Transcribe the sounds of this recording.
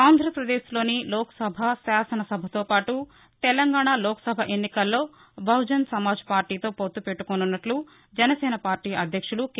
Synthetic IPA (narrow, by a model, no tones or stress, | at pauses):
aːnd̪ʱɾɐpɾɐd̪eːslo̞ːnilɔːkɐ̥sɐbʱɐsaːsɐnɐsɐbʱɐt̪oːpaːʈu | t̪ɛlɐŋɡaːɳaloːkɐ̥sɐbʱɐʔe̞nːikɐlːo̞ː | bʱɐwd͡ʒɐnsɐmaːd͡ʒɐ̥paːɾʈiːt̪o̞ːpot̪ːupeʈːukonunːɐʈlu | d͡ʒɐnɐsɛːnɐpaːɾʈiːʔɐd̪ʱjɐkʂuluk